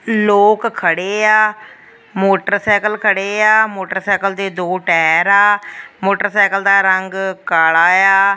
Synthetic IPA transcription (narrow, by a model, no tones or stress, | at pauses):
loːkkʰːəɽeːaː | moːʈəɾsɛːkəlkʰəɽeːaːmoːʈəɾsaːkəld̪eːd̪oːʈɛːɾaːmoːʈəɾsaːkəld̪aːɾəŋɡkaːlaːjaː